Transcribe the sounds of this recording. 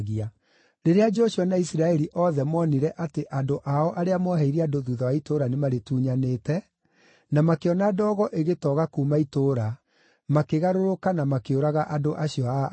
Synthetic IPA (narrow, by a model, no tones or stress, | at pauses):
ɣia | ɾeɾead͡ʒɔɕuanaisiɾaɛɾiʔɔðɛmɔniɾɛʔateʔandoʔaɔʔaɾeamɔɦɛiɾiadoðuːðawaitoɾanemaɾetuːɲaneːtɛ | namakeɔnadɔːɣɔʔeɣetɔɣakuːmaitoːɾa | makeɣaɾoɾokanamakeoɾaɣaʔadoʔaɕiɔa